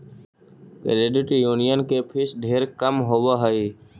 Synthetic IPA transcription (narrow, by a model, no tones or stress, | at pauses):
kə̰ɾeɖɪʈijuːnijənkepʰɪsɖʱeːɾkəmɦowaɦəiː